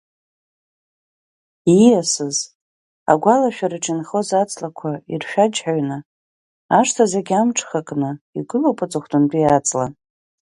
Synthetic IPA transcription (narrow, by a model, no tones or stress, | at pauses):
ijasɨz | a̰ɡʷalaʃᶣaɾɨʈ͡ʂʰʼɪnχozat͡sʼlakʷʰairʃᶣad͡ʒħaɥnɨ | aʂtʰazaɡʲamʈ͡ʂʰʼχakʼnɨiɡɨlopʼɨt͡sʼɨχʷtʰʼɨndʼiat͡sʼla̰